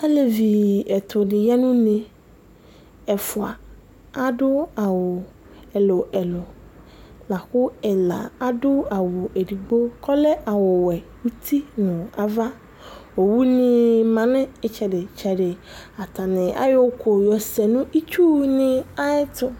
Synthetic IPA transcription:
a˦le˨vi˨ɛ˨tʰʊ˨dɪ˨ja˦nʊ̃˦nẽ˨ | ɛ˨fʊ˨a˨ | a˦dʊ˦a˨wʊ˨ | ɛ˨lʊ˨ɛ˨lʊ˨ | la˨kʊ˦ɛ˨la̰˨a˦dʊ˦a˨wʊ˨ʔe˨di˨ɡ͡bo˦kʰɔ˦lɛ˦ʔa˨wɔ˨wɛ˨wu˦tʰi˦nʊ̃˨a˨va˦ | wo˨wu˦nɪ̃˦mã˨nɪ̃˦ɪ˨t͡ʃɛ˨dɪ˨t͡ʃʰɛ˨dɪ˨a˨tʰa˨nɪ̃˨a̰˦jʊ˦kʰʊ˨jɔ˨sɛ˨nʊ̃˦i˦t͡ʃu˦nɪ̃˦a˦ɪ˦tʰʊ˦

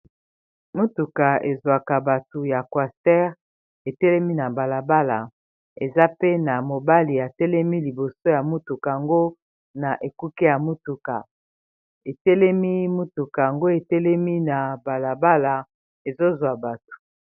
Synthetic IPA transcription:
mu˦tu˨ka˨e˨zwa˨ka˨ba˨tu˨ja˨kwa˨stɛ˦ʁ | e˨tɛ˦lɛ˦mi˦na˨ba˨la˨ba˦la˨ | e˨za˦pe˦na˨mo˨ba˦li˨ja˨tɛ˦lɛ˦mi˦li˨bo˨so˦ja˨mu˦tu˨ka˨a˨ŋɡo˦ | na˨ʔe˨ku˦kɛ˦ja˨mu˦tu˨ka˨ | e˨tɛ˦lɛ˦mi˦mu˦tu˨ka˨ja˨ŋɡo˦e˨tɛ˦lɛ˦mi˦na˨ba˨la˨ba˦la˨ | e˨zo˦zwa˨ba˨tu̥˨

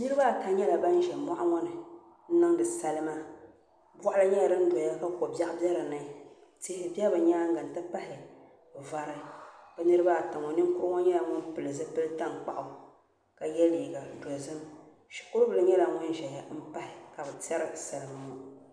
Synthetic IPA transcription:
nɨ˦ɾɨ˦ba˦˨ta˨ɲɛ˦la˨ba˦n˦ʒɛ˨mɔ˦ʔa˦ŋɔ˦nɨ˨ | n̩˦nɨ˦ŋ˦dɨ˨sa˦lɨ˦ma˦ | bʷɔ˦ʔʊ˦la˦ɲɛ˦ja˨dɨ˦n̩˦dɔ˨ja˦ka˦ko˨bja˦ʔbjɛ˦ɾa˨na˨te˦hɪ˦bɛ˦bɨ˨ɲaː˦ŋ̩˦ɡa˨n˨tɨ˦pa˦hɪ˨ | va˨ɾɨ˦bɨ˦nɨ˦ɾɨ˦ba˦˨ta˨ŋɔ˨nɨ˦ŋ˦kʊ˦ɾŋɔ˦ɲɛ˦la˨ŋɔ˦npɨ˨lɨ˨zɨ˦pɨ˦lta˦ŋk͡pa̰˨ʔa˨ | ka˨jɛ˦liː˨ɡa˨dɔ˨zɨ˦m | ʃi̥˨kʊ˦ɾbɨ˨lɨ˦ɲɛ˦la˨ŋɔ˦n˦ʒɛ˨ja˨˦m̩˦pa˦hɪ˨ka˨bɨ˨tɛ˦ɾɨ˨sa˨lɨ˨m˨˦mu˦

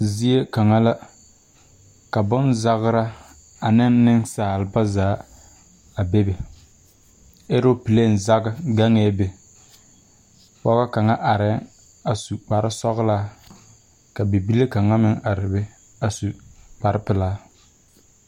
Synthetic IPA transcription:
zi˦e˦ka˨ŋa˦la˦ | ka˨bʊ˦nza˦ɣɾa˦ | a˨nɪ˦nːɪ˦ŋsaː˨lɨ˨ba˦zaː˨˦ | a˨be˦be˨ | e˦ɾo˦pi˨le˦˨n˨za˦ɡɨ˦ɡa˦ŋɛː˦be˨ | pɔ˦ɣa˦ka˨ŋa˦ʔa˨ɾɪ˨˦ | a˨su˨k͡pa˨ɾɪ˦sɔ˦ɣlaː˦ | ka˨be˨bi˦le˦ka˨ŋa˦mɪ˦ŋa˨ɾɪ˨bɪ˦ | a˨su˨k͡pa˨ɾɪ˦pɪ˨laː˦

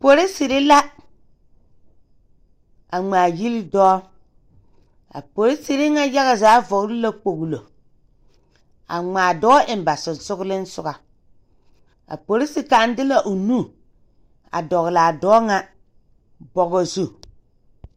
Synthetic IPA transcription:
po˨ɾɪ˦sɪ˨ɾɪ˦la˦ | a˨ŋ͡maː˨ji˦lɪ˦dɔː˦ | a̰˨po˨ɾɪ˦sɪ˨ɾɪ˦ŋa˦ja˦ɣa˨zaː˨˦vɔ˨ɡɾɪ˦la˦k͡po˨ɣlo˨ | a̰˨ŋ͡maː˨dɔː˦ʔɪ˨m˨ba˨sɪ˨n˨sʊ˦ɡlɪ˦n˦sʊ˦ɡa˨ | a̰˨po˨ɾɪ˦sɪ˨ka˨˦n˦dɪ˦la˨ʔo˨nu˦˨ | a̰˨dɔ˨ɣla˨dɔː˦ŋa˦ | bɔ˨ɣɔ˦zu˦

